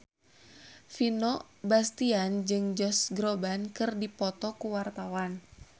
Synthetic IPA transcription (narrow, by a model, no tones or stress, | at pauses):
finɔ | bast̪iand͡ʒɨŋd͡ʒɔsɡɾobankɨrdipɔt̪ɔkuwart̪awan